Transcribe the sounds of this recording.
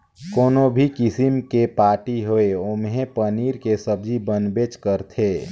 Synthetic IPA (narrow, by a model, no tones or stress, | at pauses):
koːnobʱikɪsimkepaːɾʈiɦoeomɦẽpəniːɾkesəb̚d͡ʒibənbet͡ʃkəɾt̪ʰeː